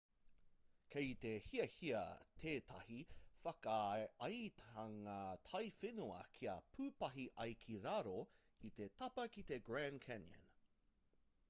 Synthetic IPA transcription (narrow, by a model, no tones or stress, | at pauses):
kʰejt̪e̞hiɐhiɐ̰t̪ʰeːt̪ʰɐhifɐkɐɐjt̪ɐŋat̪ʰɐjfenuɐ̰kʰiɐpʰʉːpɐɦiʔɐjkʰiɾaɾo | it̪e̞t̪ʰɐpɐkit̪e̞ɡɹænkʰɛnə̰n